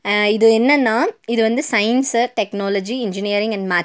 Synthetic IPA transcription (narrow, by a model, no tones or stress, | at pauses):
ɪðɯɛnːɐnːaːɪðɯʋɐnd̪ɯsɐɪnsʈɛknoːlɐd͡ʒiɪnd͡ʒɪniɐɾɪ̃ŋɡɐɳɖmaː